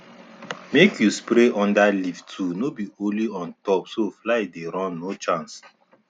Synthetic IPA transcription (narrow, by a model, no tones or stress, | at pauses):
mekʰjuspɾeʔɔ̃ndaliftʰunobioliɔ̃ntɔpsoflaɪdeɾɔ̃nːot͡ʃãns